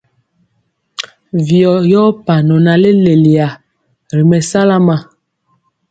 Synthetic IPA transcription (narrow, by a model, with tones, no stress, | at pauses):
vjɔ˨jɔ˦pa˨nɔ˨na˨le˦le˨li˨a˨ | ɾi˨mɛ˨sa˦la˦ma˨